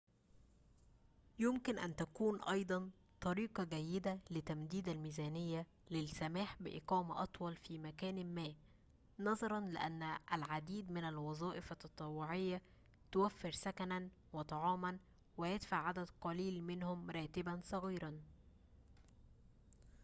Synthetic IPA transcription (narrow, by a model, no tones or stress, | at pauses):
jʊmkɪnʔæ̰nt̪ækuːnʔɑjd̪ˤɑn | t̪ˤɑɾiːqɑɡæjːɪd̪ælɪt̪æmd̪iːd̪ælmiːzæːnɪjːæ | lɪlsæmaːħbɪʔɪ̰qɑːmaʔɑt̪ˤwɑlfiːmækæːnmːæː | nɑzˤɑɾˤɑnlɪʔænːʔælʕad̪iːd̪mɪnælwɑzˤɑːʔɪfɑt̪ːɑt̪ˤɑwːʊʕɪjːæ | t̪ʊwæfːɪɾsækænæn | wɪt̪ˤɑʕɑːmɑn | wɪjɪd̪faʕʕad̪æd̪qɑliːlmɪnhʊmɾˤɑːt̪ɪbænsˤɑɣiːɾɑn